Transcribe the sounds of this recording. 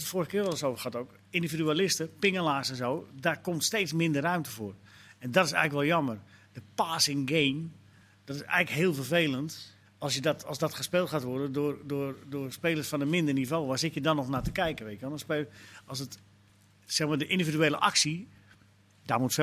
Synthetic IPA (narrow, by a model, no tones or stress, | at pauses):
ətfoːrəxəkɪːrʋɛlˠəsowvərxatoːk | individyalɪstəpɪŋəlaːsɛnzoːdarkomtsteːt͡smɪndərrœɥmtəvoːr | ɛndɔtɪs̬ɛ̰jɣləkʋɛlˠjɔmərdəpaːsɪŋɡeːm | d̥ɔtɪsɛ̰jɣləkɦɪːəlˠfərveːlˠənt | ɔlˠsjədɔtːlˠsdɔtxəspeːlˠtxaːtʋɔrdəndʊːrdʊːrdʊːrspeːlˠəsfɔnəmɪndərnivoːʋasɪtjədɔnɔxnatəkɛjkənʋetəʋɔnəspeɔlˠsət | sɛxmaːdəʔindividyeːlə̰ʔa̰ksi | damut